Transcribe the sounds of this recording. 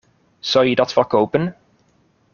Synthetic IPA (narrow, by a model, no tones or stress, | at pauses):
z̥ɑwjədɑtfəɹkowpən